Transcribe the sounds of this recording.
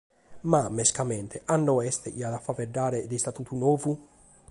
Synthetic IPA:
mamːeskamɛnt̪ʰeʔanːɔɛst̪eʔiad̪afːaveɖːaːɾed̪est̪at̪uːt̪unɔːvu

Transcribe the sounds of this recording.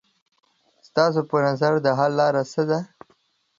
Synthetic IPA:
st̪ɑs̬opənazaɾd̪əɦalːɑɾasəd̪a

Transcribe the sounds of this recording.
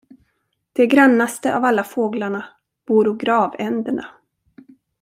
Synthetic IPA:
d̪̥ɛɡɾanːast̪əʔavalːafoːɡlaɳa | b̥uːɾɔɡɾɑːvɛnd̪əɳa̰

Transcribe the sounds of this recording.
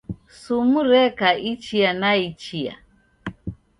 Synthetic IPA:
sumuɾɛkaʔit͡ʃianait͡ʃia̰

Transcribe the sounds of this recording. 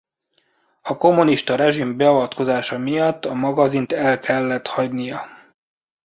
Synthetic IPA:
ɒko̞mːuniʃt̪ɒɾɛʒimbɛɒvɒt̪ko̞zaːʃɒmijɒt̪ːɒmɒɡɒzint̪ɛlkʰɛlːɛt̪hɒɟnijɒ

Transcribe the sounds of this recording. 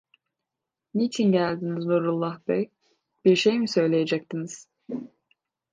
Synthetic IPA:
nit͡ʃʰinɟælʲd̪iniznuːɾulˠːahbɛj | b̥iɾʃejmisø̞jlʲejed͡ʒɛc̚t̪ʰiniz̥

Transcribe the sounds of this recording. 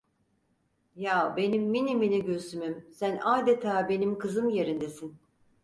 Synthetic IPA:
jaːbe̞nimːiniminiɟøɾsymymsænaːd̪et̪ʰaːbe̞nimkʰɯzɯmjeɾind̪esin

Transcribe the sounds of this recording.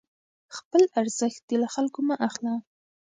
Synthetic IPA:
xpəlaɾz̥əxt̪̚d̪ilaxalkomaʔaxla

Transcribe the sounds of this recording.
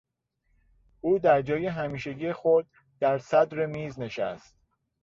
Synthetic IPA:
ʔuːd̪æɾd͡ʒɒːjeɦæmiːʃeɟiːexod̪̚ | d̪̥æɾsæd̪ɾemiːzne̞ʃæ̰st̪̚

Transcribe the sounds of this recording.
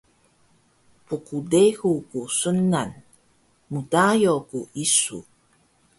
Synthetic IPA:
pukudexukusənːan | mutajokuʔisṵ

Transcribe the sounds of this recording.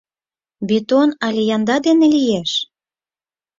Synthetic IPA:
bit̪onɑlʲejɑnd̪ɑd̪enĕlijeʃ

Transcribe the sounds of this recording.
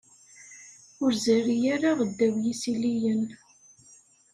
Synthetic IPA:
ʊɾzæɾijaɾaʁəd̪ːæwjisilijən

